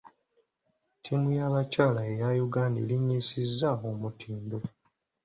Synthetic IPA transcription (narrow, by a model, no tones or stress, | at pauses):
tʰimujaβacaːlaejajuɡaːnḭliɲːisizːaomutʰiːndo